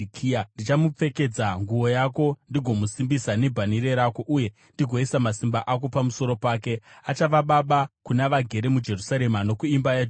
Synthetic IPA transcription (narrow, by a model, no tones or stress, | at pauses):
kːandit͡ʃamup͡fe̞ke̞d͡zaŋɡuwo̞jako̞ndiɡʱo̞musimbisane̞bʱaniɾe̞ɾako̞ʔuje̞ | ndiɡʱo̞isamasimbaʔak̬o̞pamuso̞ɾo̞paːke̞at͡ʃaʋaɓaɓakunaʋaɡʱe̞ɾe̞mud͡ʒe̞rusaɾe̞mano̞kuimbaja